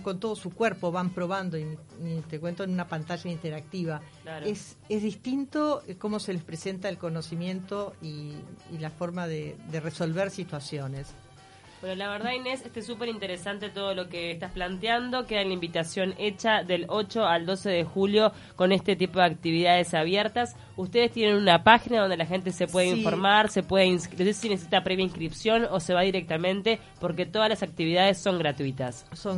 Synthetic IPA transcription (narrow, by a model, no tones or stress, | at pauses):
ko̞nt̪o̞ð̞osukweɾpo̞βampɾo̞βand̪oi | t̪ekwent̪oenunapant̪aʒaint̪eɾak̚t̪iβa | laɾes | ezðist̪int̪o̞ko̞mo̞se̞lespɾese̞nt̪aelko̞nosimje̞nt̪oiːlafo̞ɾmaðed̪ereso̞lβeɾsit̪wasjo̞ne̞s | bwenolaβeɾðainesest̪esːupeɾint̪e̞ɾesant̪e̞t̪oðolo̞keːst̪asplant̪eand̪o̞keðaelaimbit̪asjo̞net͡ʃaðe̞lo̞t͡ʃo̞ald̪o̞seðexuljo̞ | ko̞nest̪e̞t̪ipo̞ðeak̚t̪iβiðað̞esaβjeɾt̪as | ust̪e̞ðest̪jenenunapaxinaðo̞nd̪elaxe̞nt̪ese̞pwe̞ðeĩɱfo̞ɾmaɾse̞pweðeinskosesinesesit̪apɾeβjaĩŋskɾipsjo̞nose̞βaðiɾek̚t̪amẽ̞nt̪e̞ | po̞ɾk̬e̞t̪o̞ðazlasak̚t̪iβið̞aðesːo̞ŋɡɾat̪wit̪aso